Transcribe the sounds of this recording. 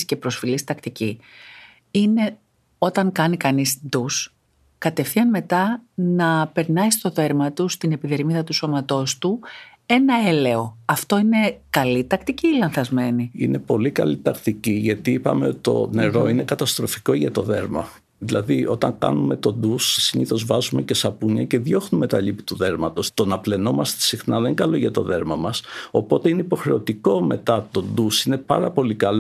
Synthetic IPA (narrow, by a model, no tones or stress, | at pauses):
sce̞pɾo̞sfilist̪ɐkt̪ici | ine̞ | o̞t̪ɐŋkɐnikɐnisd̪us | kɐt̪e̞fθiɐnme̞t̪ɐnɐpe̞ɾnɐist̪o̞ðe̞ɾmɐt̪ust̪ine̞piðe̞ɾmiðɐt̪uso̞mɐt̪o̞st̪u | e̞nɐe̞le̞o̞ɐft̪o̞ine̞kɐlit̪ɐkt̪iciːlɐnθɐzme̞niine̞po̞likɐ̰lit̪ɐkt̪iciʝɐt̪iipɐ̰me̞ot̪i̥t̪o̞̰ne̞ɾo̞ine̞kɐt̪ɐst̪ɾo̞fiko̞ʝɐt̪o̞ðe̞ɾmɐ̰ | ðilɐðiʔo̞t̪ɐŋkɐ̰nume̞t̪o̞d̪ussiniθo̞zvɐzume̞ce̞sɐpuɲɐce̞ðʝo̞xnume̞t̪ɐʎipit̪uðe̞ɾmɐt̪o̞st̪onɐple̞no̞mɐst̪e̥sixnɐðeɡɐlo̞ʝɐt̪o̞̰ðe̞ɾmɐmɐso̞po̞t̪e̞ineipo̞xɾe̞o̞t̪iko̞me̞t̪ɐt̪o̞nd̪usine̞pɐɾɐpo̞likɐlo